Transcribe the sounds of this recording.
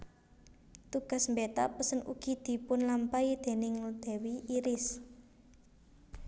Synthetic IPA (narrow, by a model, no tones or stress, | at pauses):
t̪uɡ̥a̤smbet̪apəsənṵɡ̥i̤d̪̥i̤pʊnlampaid̪̥e̤nɪŋud̪̥ɛ̤wiiɾɪs